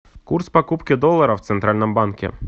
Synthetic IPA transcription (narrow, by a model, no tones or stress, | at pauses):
kurspɐkupkɪd̪ɔlˠːɐɾɐwt̪sɛnt̪ɾalʲnɪmbɑnkʲɪ̰